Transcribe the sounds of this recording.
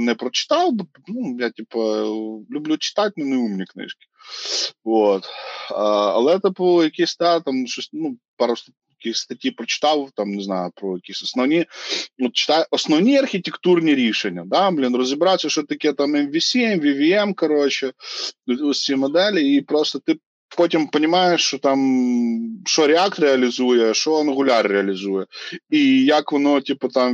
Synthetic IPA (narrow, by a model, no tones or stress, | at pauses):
nɛpɾɔt͡ʃɪ̥t̪ɑwb | nujatʲipɐlʲʊblʲut͡ʃɪ̥t̪at̚ʲnʊnɐumnʲiknɪ̰ʃkʲɪ̥ | ʋot̪ɐɐ̰lˠɛɛt̪ɐpɔjɐkʲisʲd̪at̪amʃɔsʲnupɑɾʊst̪ | jɐkʲixʲst̪ɐtʲjipɾɔt͡ʃɪ̥t̪ɑwt̪amnɪzna̰jʊpɾɔjɐkʲisʲɔsnɔwnʲiot̪̚t͡ɕɪ̥t̪ajʔɐsnɐvnʲiɐrxʲɪtʲɪkt̪urnʲɪɾʲiʂɨnʲːəd̪ablʲinrəzɨbɾasʲəʂot̪ɐkʲijət̪amɛmvʲɪsʲiɛmvʲivʲiɛmkɐɾot͡ɕɪt̪ʲosʲsʲimɐd̪ɛlʲɪipɾo̞st̪ət̪ɨ | potʲɪmpənʲɪmajɪʂt̪ot̪am | ʂoɾʲɪak̚t̪ɾʲɪɐlʲɪzujəʂonəɣʊlʲarːʲɪɐlʲɪzujəijakʋɐnotʲipət̪am